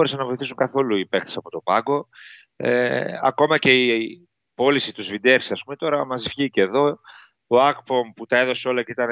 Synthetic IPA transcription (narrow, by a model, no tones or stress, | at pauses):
ɾesɐnɐvo̞iθisuŋkɐθoluipext̪esɐpo̞t̪o̞pɐɡo̞ | ḛɐ̰ko̞mɐce̞i | po̞lisit̪uzvind̪eɾsi̥sɐspume̞t̪o̞ɾɐmɐzifçiceðo̞ | oɐkpomput̪ɐe̞ðo̞seo̞lɐceit̪ɐn